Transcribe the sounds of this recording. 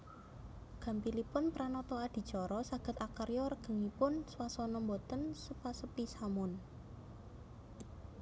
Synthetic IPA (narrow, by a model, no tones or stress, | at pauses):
ɡ̥a̤mpilipʊnpɾanɔt̪ɔad̪̥i̤̥t͡ʃɔɾɔsaɡ̥ə̤t̪akərjɔɾəɡ̥ə̤ŋipʊnswasɔnɔmbot̪ənsəpasəpisamʊn